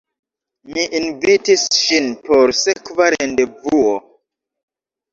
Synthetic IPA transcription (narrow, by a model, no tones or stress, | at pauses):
miʔinvitisʃinpoɾsekvaɾendevuo